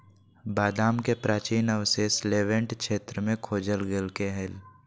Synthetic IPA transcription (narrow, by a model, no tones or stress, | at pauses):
baːd̪aːmkepɾaːt͡ʃiːnəʋsesleːʋə̃ɳʈʃeːt̪ɾəmẽkʰoːd͡ʒəlɡelkeɦɛl